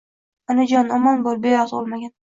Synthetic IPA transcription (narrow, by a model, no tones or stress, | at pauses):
anɪd͡ʒɒnɒmanbɒɾbejɒzɒlˠmaɡʲan